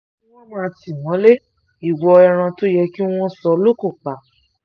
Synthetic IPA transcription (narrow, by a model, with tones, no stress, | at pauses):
i˦w̃ɔ̃˦mã˦˧ti˨w̃ɔ̃˨˦le˦ | i˨wɔ˧ɛ˧ɾ̃ã˧to˦jɛ˧ki˦w̃ɔ̃˦sɔ˧lo˦ko˦˨k͡pa˨